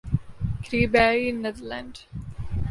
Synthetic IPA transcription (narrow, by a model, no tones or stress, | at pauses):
kɾiːbɛːɾinːɛd̪əɾlãɳɖ